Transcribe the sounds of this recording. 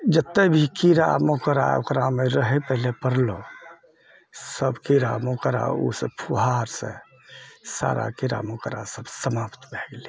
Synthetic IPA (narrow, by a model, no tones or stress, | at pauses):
d͡ʒət̪ːebʱikiɾa̰mokəɾa̰o̰kɾameɾəɦɛpəɦlepəɾlo | səbkiɾamokəɾa̰ṵsəpʰuɦaɾsḛ̃ | sa̰ɾa̰kiɾa̰mokəɾa̰səbsəmapt̪bʱeɡeli